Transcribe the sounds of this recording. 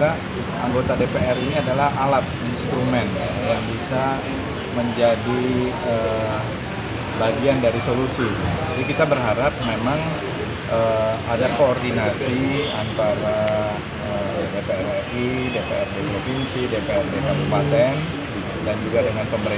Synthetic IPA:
a | a̰ŋɡot̪adepeʔɛriniadalahʔalat̪̚inst̪ɾumɛnjajaŋbisa | məɲd͡ʒadi | ə | baɡiandaɾisolusid͡ʒadikit̪abərɦaɾap̚memaŋ | ʔəadakoːrdinasiant̪aɾa | ə | depeɛrɛridepḛɛrdepɾofinsidepeɛrdeŋanpat̪ɛn | dand͡ʒuɡadəŋanpəmbəɾe

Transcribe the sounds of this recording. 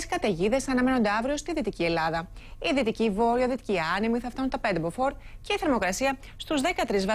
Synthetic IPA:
skɐt̪e̞ʝiðe̞sɐnɐme̞no̞nd̪eɐvɾio̞st̪iðit̪icie̞lɐðɐiðit̪icivo̞ɾiɐðit̪iciɐnimiθɐft̪ɐsunt̪ɐpe̞nd̪ebofo̞ɾce̞iθeɾmo̞kɾɐsiɐ | st̪uzðe̞kɐt̪ɾizvɐ

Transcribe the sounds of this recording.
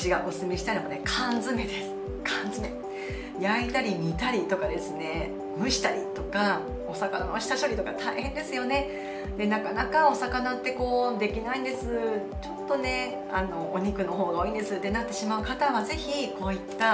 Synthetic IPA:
t͡ɕiɡakosɨmeɕi̥t̪aɾʲimo̞nekʰãnzɨme̞d̪e̞sɨ̥ | kʰãnzɨme | jait̪aɾʲimʲit̪aɾʲit̪o̞kad̪e̞sɨne̞ | ɯ̟̃ɕi̥t̪aɾʲit̪o̞ka | o̞sakana̰noɕi̥t̪aɕo̞ɾʲit̪o̞kat̪ʰaihẽ̞nd̪e̞sɨjo̞ne̞ | d̪e̞nakanakao̞sakanat̪ːe̞ko̞ːd̪e̞kʲinaĩnd̪e̞sɨ | t͡ɕo̞t̪ːo̞ne̞ | ano̞ːɲ̟ikɯ̟no̞ɦo̞ːɡaoiːnd̪e̞sɨt̪ːenat̪ːe̞ɕimaɯ̟kat̪aβaze̞çiko̞ːit̪ːa

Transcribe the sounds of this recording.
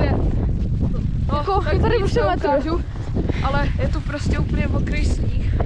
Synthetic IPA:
ɛ | nkot̪adɪmusɛlɛt̪uʒu | ʔalɛjɛt̪opɾoscɛupl̩ɲɛvokɾɛjsɲiː

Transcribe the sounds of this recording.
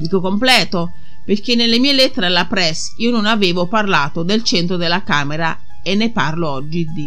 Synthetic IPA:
d̪iːkokomplɛːt̪o | peɾk̟enːelːemiːelɛt̪ːeɾalːapɾɛs | iːononaveːvoparlaːt̪od̪elt͡ʃent̪ɾod̪elːakaːmɛɾa | enːeparloɔd͡ʒːid̪i

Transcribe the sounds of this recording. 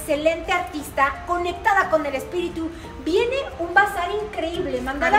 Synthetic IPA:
se̞le̞nt̪e̞aɾt̪ist̪ako̞ne̞kt̪aðako̞nd̪elespiɾit̪u | bieneumbasaɾiŋkɾe̞iβleːmand̪aða

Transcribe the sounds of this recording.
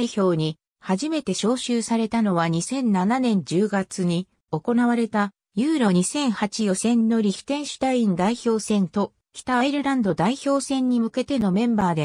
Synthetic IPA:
içʲo̞ːɲ̟i | haʑime̞t̪e̞ɕo̞ːɕɨːsaɾe̞t̪ano̞βaɲ̟isẽ̞nnananẽ̞ɲ̟d͡ʑɨːɡat͡sɨɲ̟i | o̞ko̞naβ̞aɾe̞t̪a | jɯːɾo̞ɲ̟isẽ̞ɰ̃hat͡ɕijo̞sẽ̞nːo̞ɾʲiçʲi̥t̪ẽ̞ɰ̃ɕi̥t̪aĩnd̪aiço̞ːsẽ̞nt̪o̞ | kʲi̥t̪aβaiɾɯ̟ɾãnd̪od̪aiço̞ːsẽ̞ɲ̟ːimɯ̟ke̞t̪e̞no̞mẽ̞mbaːd̪e

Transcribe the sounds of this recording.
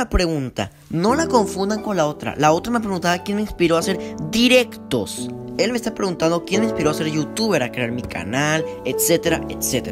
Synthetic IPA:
apɾe̞ɣunt̪a̰ | no̞lako̞ɱfund̪aŋko̞nlao̞t̪ɾa̰lao̞t̪ɾamep̬ɾeɣunt̪aβakjenmeinspiɾo̞ase̞ɾd̪iɾe̞kt̪o̞̰s | e̞lmest̪apɾe̞ɣunt̪and̪o̞kjenmeinspiɾo̞ase̞ɾʝut̪uβe̞ɾakɾeaɾmika̰nalet̪se̞t̪e̞ɾa̰et̪set̪eɾ

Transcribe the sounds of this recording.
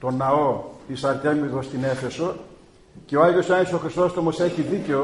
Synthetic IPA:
t̪o̞nɐot̪isɐɾt̪emiðost̪inefe̞so | ce̞oɐʝosɐnisoxɾist̪ost̪omoseçiðiceo

